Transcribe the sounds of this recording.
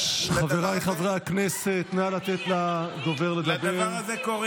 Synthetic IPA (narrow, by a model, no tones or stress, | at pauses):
χaveʁajχavʁaːkneset̪mealat̪et̪lad̪oveʁled̪abeazekoʁ